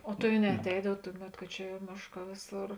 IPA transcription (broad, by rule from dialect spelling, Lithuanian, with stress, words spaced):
oː tɐɪ ɐ nʲɛɐˈtʲɛɪdɐw ˈtʊˌmʲɛt ˈkɐ t͡ʃʲɛ ˈmʲeːʃˌkɑː ˈʋʲeːˌsoːr